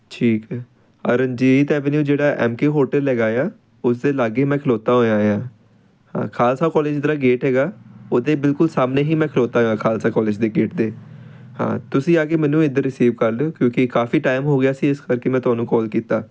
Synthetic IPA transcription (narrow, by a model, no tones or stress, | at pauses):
ʈʰiːkɛː | əɾənd͡ʒiːt̪ɛːʋənjuːd͡ʒeːɽaːʔɛ̰ːmkeːɦoːɾʈəlɛːɡaːjaː | ʊs̬d̪eːlaːɡeːmɛ̃ːkʰəloːt̪aːɦoːjaːɦjaː | hã̰ːkʰaːlsaːkɔːleːd͡ʒd̪əɾaːɡeːʈɦɛːɡaːoːd̪eːbɪlkʊlsaːmneːɦiːmɛ̃ːkʰloːt̪aːɦoaːkʰaːlsaːkɔːleːd͡ʒd̪eːɡeːʈd̪eː | hã̰ːt̪ʊsĩːaːkeːmɛ̃ːnũːɪd̪əɾːɪsiːʋkəɾloːkjõːkɪkaːfiːʈaːɪmɦoːɡɪjaːsiːɪskəɾkeːmɛ̃ːt̪ʊɦaːnũːkɔːlkiːt̪aː